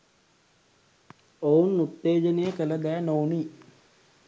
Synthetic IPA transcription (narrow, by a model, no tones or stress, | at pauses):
ounːut̪ːeːd͡ʒənejəkələd̪æːnowniː